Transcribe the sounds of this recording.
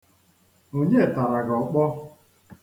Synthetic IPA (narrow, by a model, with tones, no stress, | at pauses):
o˨ɲe˦˨ta˨ɾa˨ɡɔ˨˦k͡pɔ˦